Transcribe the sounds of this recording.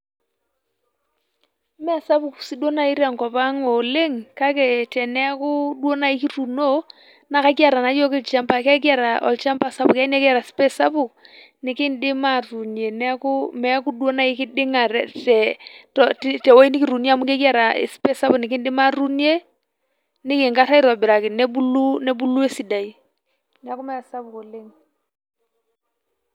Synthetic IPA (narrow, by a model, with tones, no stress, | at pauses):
mɛ˦a˨sa˦pʊ˨ksi˦dwo˦na˨i˦ɾja˨ŋkɔ˨pa˦ŋɔ˨lɪ˦ŋka˦kɛ˨tɛ˨nɛ˦kʊ˦dwo˦na˦˨i˦ki˦ɾu˨no˦ | na˨ka˦kja˨ɾa˨na˨˦jo˦kɪ˦lt͡ʃa˦mpa˨ka˦k̬ja˨ɾa˨ʔɔ̰˨lt͡ʃa˦mpa˦˨sa˦pʊ˨ka˦nɛ˦ka˨ɾa˨spɛ˦sa˦pʊ˨ | nɪ˨kɪ˦ndɪ˦ma˨ru˨nje˨nɛ˦kʊ˦mɛ˨˦ku˦dwo˦na˦ɪ˦kɪ˦dɪ˦ŋa˨ɾɛ˨tɛ˨tɔ˨tɛ˨wo˦i˦nɪ˦kɪ˨ɾu˨nja˨mʊ˦ka˦ki˦a˦ɾa˨ḛ˨spɛ˦sa˦bʊ˨nɪ˨kɪ˦ndɪ˦ma˦ɾu˦nje˦ | nɪ˦kɪ˨ŋka˦ɾa˦i˦ɾɔ˨bɪ˨ɾa˨kɪ˨nɛ˦bu˦lu˦nɛ˦bu˦lu˦e˦si˨da˨i˦ | nɛ˨a˦kʊ˦mɛ˦a˨sa˦bʊ˨ko˨lɪ˦ŋ